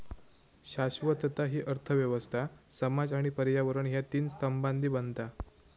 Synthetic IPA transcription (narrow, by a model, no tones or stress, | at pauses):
ɕaɕʋət̪ət̪aɦiːʔəɾt̪ʰəʋjəʋəst̪ʰasəmad͡zaɽ̃ipəɾjaʋəɾəɳɦjat̪iːnsəmband̪ʱiːbənt̪a